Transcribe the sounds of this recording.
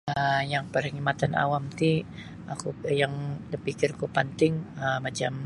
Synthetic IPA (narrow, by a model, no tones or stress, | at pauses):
əjaŋpərhəŋimat̪ana̰wamt̪i | akujaŋdəpikɪrkupənt̪ɪŋəmat͡ʃam